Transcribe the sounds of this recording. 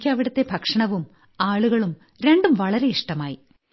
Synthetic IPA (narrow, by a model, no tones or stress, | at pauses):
kʲːɨɐʋiɽɐt̪ːe̞bʱɐkʂɐɳɐʋum | aːɭuɣɐɭum | ɾe̞ɳɖumʋɐɭɐɾe̞iʂʈɐmaːji